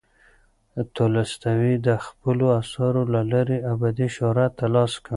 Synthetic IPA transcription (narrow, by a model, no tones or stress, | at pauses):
t̪olast̪awid̪əxpəloasɑɾolalaɾiabɑd̪iʃoɾat̪alɑska